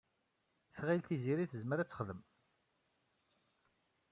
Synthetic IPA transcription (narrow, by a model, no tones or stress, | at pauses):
θʁilθiziɾiθəzməɾæt͡sːəχðəm